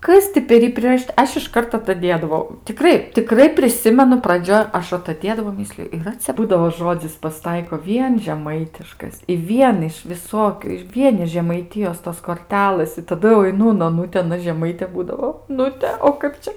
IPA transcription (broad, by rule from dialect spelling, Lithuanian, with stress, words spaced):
ˈkɐs tʲɪ pʲɛr ˈjiː pʲrʲɪrɐˈʃʲiːtɐ ˈɐʃ ɪʃˈkɐrt ɐtɐˈdʲeːdɐʋɐʊ tʲɪˈkrɐɪ tʲɪˈkrɐɪ pʲrʲɪˈsʲɪmʲɛnʊ prɐˈd͡ʒʲoːj ˈɐʃ ɐtɐˈdʲeːdɐʋɐʊ ˈmʲɪsʲlʲɪjʊ iːˈrɐ t͡sʲɛ ˈbuːdɐʋoː ˈʒoːd͡zʲɪs pɐsʲɪˈtɐɪkoː ˈʋʲiɛn ʒʲɛˈmɐɪtʲɪʃkɐs ɪ ˈʋʲiɛn ɪʃ ʋʲɪˈsoːkʲʊ ɪr ˈʋʲiɛn ɪʃ ʒʲɛmɐɪˈtʲɪjoːs toːs koːrʲˈtʲæːlˠɘs ɪ tɐˈdʊ jɛʊ ɐɪˈnʊ ʊn oːˈnʊtʲɪ ɐˈnɐ ʒʲɛˈmɐɪtʲeː ˈbuːdɐʋoː oːˈnʊtʲɛ oː ˈkɐp t͡ʃʲɛ